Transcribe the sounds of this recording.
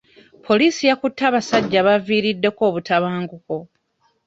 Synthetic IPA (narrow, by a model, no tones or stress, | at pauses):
pʰo̞liːsijakutːaːβasaɟːaːβaviːɾidːe̞ko̞ːβutaβaːŋɡuko̞